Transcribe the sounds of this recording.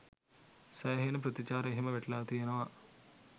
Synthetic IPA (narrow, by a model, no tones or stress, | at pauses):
sɐjɐɦɐjnɐpɾɐt̪it͡ʃaːɾɐɦimɐʋeʈlaːt̪ijɐnɐʋɐ